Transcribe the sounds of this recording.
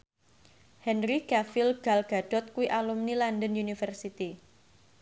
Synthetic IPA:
hɛnɾikafilɡ̥alɡ̥a̤ɖ̥ɔ̤t̪̚kuwiʔalumnilandənjunifərsit̪i

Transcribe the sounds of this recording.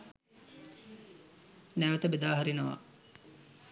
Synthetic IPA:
næʋət̪əbed̪aːɦaɾinəʋa̰

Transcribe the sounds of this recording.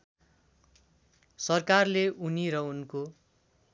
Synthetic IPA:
sʌrkarleuniɾʌunko

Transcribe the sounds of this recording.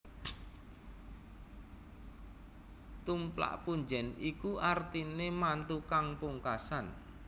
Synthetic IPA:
t̪umpla̰ʔpuɲd͡ʒɛnikuʔart̪inemant̪ukaŋpuŋkasan

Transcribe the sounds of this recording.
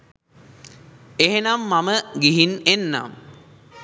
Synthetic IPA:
eɦenamːaməɡiɦinenːa̰m

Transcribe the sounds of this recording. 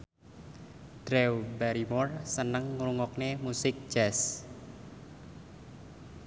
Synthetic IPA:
d̪̥ɾɛwbaɾimɔrsənəŋːɾuŋɔknemusɪk̚ʒ̥ɛs

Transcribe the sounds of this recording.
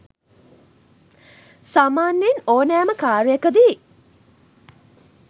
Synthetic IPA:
saːmaːnːenoːnæːməkaːɾijəkəd̪iː

